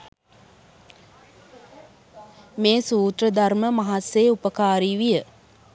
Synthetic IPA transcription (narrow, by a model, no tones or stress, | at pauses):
meːsuːt̪rəd̪arməmaɦasːeːupəkaːɾiːʋijə